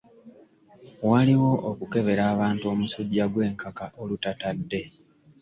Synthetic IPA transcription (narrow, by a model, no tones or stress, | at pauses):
waliwo̞ʔokuke̞βe̞ɾaːβaːntuo̞ːmusuɟaɡwe̞ːŋkʰakaʔolutatadːe̞